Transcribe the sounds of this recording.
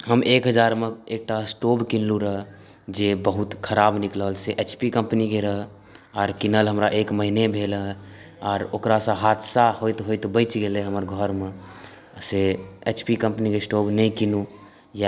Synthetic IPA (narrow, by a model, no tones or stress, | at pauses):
ɦəmʔekɦəd͡ʒaɾmeek̚ʈasʈobkinluɾəɦ | d͡ʒebəɦut̪kʰəɾaːbnikləlseʔet͡ʃpikə̃mpnikeɾəɦə | ɔːɾkinəlɦəmɾaʔekməɦinebʱelɦə | ɔːɾokɾasə̃ɦad̪saɦojt̪ɦojt̪bəɪt͡ʃɡeleɦəməɾɡʱɔɾme | seet͡ʃpikə̃mpnikesʈobnəĩkinu | ja